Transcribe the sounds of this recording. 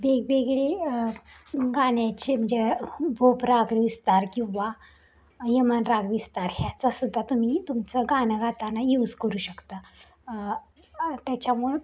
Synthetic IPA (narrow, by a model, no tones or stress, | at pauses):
beɡbeɡɭe | ɡaɳjat͡ɕem̤əɳd͡zebʱopɾaɡʋist̪aɾkĩw̃ʋa | jəmənɾaɡʋist̪aɾɦjat͡sasud̪ʱːat̪um̤iːt̪umt͡səɡanəɡat̪anajuːd͡zkəɾuːɕəkt̪ə | t̪jat͡ɕamuɭe